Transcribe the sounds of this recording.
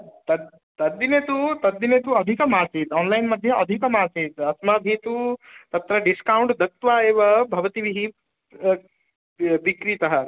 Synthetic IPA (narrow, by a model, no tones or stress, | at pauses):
t̪ɐ | t̪ɐd̪ːineːt̪ut̪ɐd̪ːineːt̪uɐd̪ʱikɐmaːsit̪ɔːnlɐjnmɐd̪ʱːjɐʔɐd̪ʱikɐmaːsit̪ɐsmaːb̪ʱit̪ut̪ɐp̚t̪ɐɾɐɖiskɐwɳʈd̪ʱɐk̚t̪ʋaːeːʋɐbʱɐʋɐt̪iʋiɦi | ʋikɾit̪ɐɦɐ